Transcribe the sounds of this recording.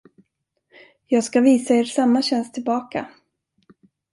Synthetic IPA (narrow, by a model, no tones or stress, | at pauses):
jɑːɡskaviːsaeːɾʂamːaɕɛnst̪ʰɪlbɑːka